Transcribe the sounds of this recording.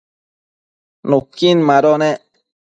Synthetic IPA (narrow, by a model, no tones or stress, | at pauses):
nukːinmaɾɔnɛ